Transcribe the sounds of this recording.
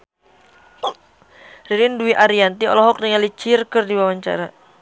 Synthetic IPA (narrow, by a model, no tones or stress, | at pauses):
riɾinduiʔaɾiant̪iɔ̰lɔɦɔk̚niŋalit͡ʃirkɨrdiwawaɲt͡ʃa̰ɾa